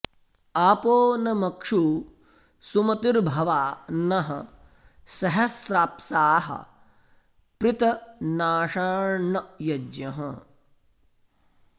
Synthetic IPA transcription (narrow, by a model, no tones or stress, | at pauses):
aːpoːnɐmɐkʂu | sumɐt̪iɾbʱɐʋaːnɐɦɐ | sɐɦɐsɾaːpsaːɦɐ̰ | pɾɪt̪ɐnaːʂaːɾɳɐjɐd͡ʒjɐɦɐ